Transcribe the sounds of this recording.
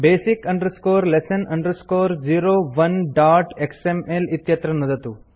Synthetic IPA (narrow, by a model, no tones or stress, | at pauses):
beːsikɐɳɖɾuskoːɾlesɐnɐɳɖɾuskoːɾd͡ʒiːɾoːʋɐnɖaːʈeksemelit̪jɐt̪ɾɐnud̪ɐt̪u